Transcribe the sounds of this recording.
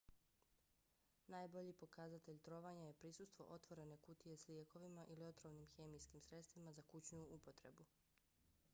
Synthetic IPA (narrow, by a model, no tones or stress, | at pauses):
naːjbo̞ʎipo̞kazat̪e̞ʎt̪ɾo̞ːʋaɲaje̞pɾisust̪ʋo̞̰ʔo̞t̪ʋo̞ɾe̞ne̞kut̪ije̞slje̞ko̞ʋimaʔilio̞t̪ɾomnimxe̞ːmijskimsɾe̞t̪st̪ʋimazakut͡ɕɲuupo̞t̪ɾe̞̰bu